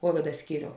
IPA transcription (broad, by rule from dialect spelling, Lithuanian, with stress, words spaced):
ˈkoːʋʲɪdɐ ˈsʲkʲiːrʲoːʊ